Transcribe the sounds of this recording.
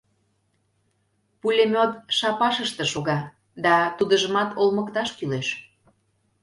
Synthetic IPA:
pulʲemʲot̪ʃɑpɑʃəʃt̪eʃoɣɑ | d̪ɑt̪ud̪əʒə̆mɑt̪ʰolməkt̪ɑʃkyleʃ

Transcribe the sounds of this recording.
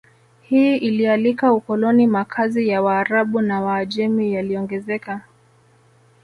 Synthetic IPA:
hiːʔilialikaukɔlɔnimakʰazijawaːɾaɓunawaːʄɛmijaliɔŋɡɛzɛka

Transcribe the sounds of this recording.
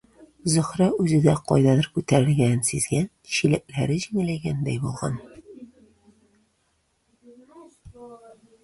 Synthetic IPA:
zɵ̆χɾɑʉzɘ̆d̪æqɒ̰jd̪ɑðɤɾkʉt̪æɾɘ̆lɡʲænsizɡænɕilæʔlæɾɘʑiŋlæjɡænd̪æjbulˠʁɑ̰n

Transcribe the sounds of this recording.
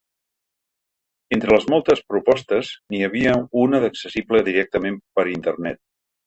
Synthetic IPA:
ent̪ɾələzmɔlˠt̪əspɾupɔst̪əzniəβ̞iəunəðəksəsibləðiɾɛk̚t̪əmempəɾint̪ərnɛt̪̚

